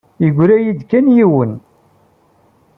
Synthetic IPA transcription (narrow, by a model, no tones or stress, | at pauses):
iɡʷɾæjid̪kænjiwən